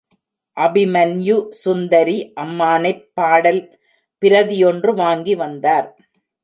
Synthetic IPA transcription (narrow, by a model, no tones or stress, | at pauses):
ʔɐbɪmɐnjusʊnd̪ɐɾiʔɐmːaːnɐɪpːaːɽɐl | pɪɾɐðɪjɔndrɯʋaːŋɡiʋɐnd̪aːɾ